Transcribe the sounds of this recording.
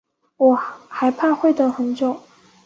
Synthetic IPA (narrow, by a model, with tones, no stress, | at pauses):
wɔ˨˩xa˧˥ɪpʰa˥˧xwe˥˩ɪt̪ɤ˨˥˩xə˧˥nt͡ɕjo˨˩˦ʊ